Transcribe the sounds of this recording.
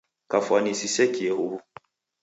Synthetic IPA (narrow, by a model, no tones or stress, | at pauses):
kafanisisɛkiehobu